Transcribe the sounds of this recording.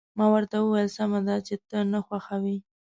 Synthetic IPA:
mɑwəɾt̪awəwajəlsamad̪at͡ʃet̪ənaxwaxawi

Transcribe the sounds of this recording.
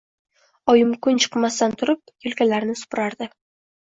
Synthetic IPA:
ɒjɪmkʰʊnt͡ʃʰɨ̥qmast̪ant̪ʰʊɾɪp̚jɵlkʲalaɾnɪsʊ̥pɾaɾd̪ɪ

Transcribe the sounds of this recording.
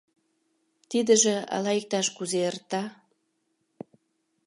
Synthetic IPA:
t̪id̪əʒeɑ̰lɑik̚t̪ɑʃkuzeərt̪ɑ

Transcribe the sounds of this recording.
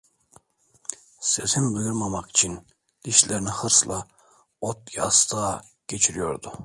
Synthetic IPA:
se̞sinbɯjuɾmamaki̥t͡ʃʰin | d̪̥iʃlʲeɾinihɯɾslˠa | ot̪ja̰ːst̪ʰaː | ɟ̥et͡ʃʰiɾijo̞̰ɾd̪u

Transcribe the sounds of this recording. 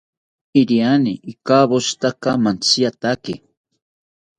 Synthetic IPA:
iɾianiʔikaβoʃt̪akamant͡siat̪akɪ

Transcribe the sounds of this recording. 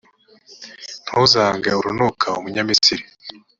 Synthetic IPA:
n̥houzaːŋɡauɾunokʰaumuɲamisiɾi

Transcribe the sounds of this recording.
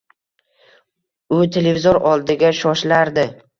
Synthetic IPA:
ʊt̪ʰe̞le̞vizoɾɒlˠd̪ɪɡʲaʃɒʃlaɾd̪ɪ

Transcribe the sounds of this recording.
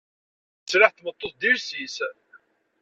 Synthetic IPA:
sɾaħθmət̪ˤːoθd̪iɾsis

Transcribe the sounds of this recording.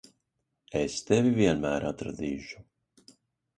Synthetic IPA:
ɛst̪ɛviviɛnmæːɾat̪ɾa̰d̪iːʃu̥

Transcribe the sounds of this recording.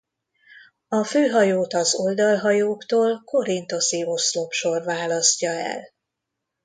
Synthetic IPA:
ɒføːɦɒjoːt̪ɒzo̞ld̪ɒlɦɒjoːkt̪oːlko̞ɾint̪o̞sio̞slo̞pʃo̞rvaːlɒscɒɛ̰l

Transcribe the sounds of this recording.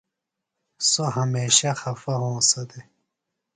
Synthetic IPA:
soɦɐmeːɕɐxɐfɐɦõːsɐd̪e

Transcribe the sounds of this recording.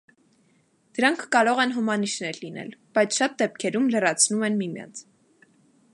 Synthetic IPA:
d̪̥əɾɑŋkʰːɑɾɔʁɛnɦumɑniʃnɛɾlinɛ̰lb̥ɑjt͡sʰʃɑt̪̚d̪ɛpkʰɛɾumlərɑt͡sʰnumɛnmimjɑ̰nt͡sʰ

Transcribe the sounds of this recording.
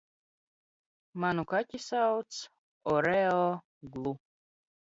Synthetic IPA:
manukakʲisawt̪s | ɔɾɛɔ | ɡlˠu

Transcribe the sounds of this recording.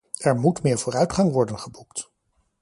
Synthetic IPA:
ɛɹmutmɪːɹvoʊːrœɥtχɑŋʋɔɹdənχəbukt

